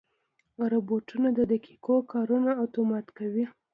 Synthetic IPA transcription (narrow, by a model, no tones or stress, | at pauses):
ɾoboʈunad̪əd̪akikokʰɑɾunaat̪omɑt̪kawi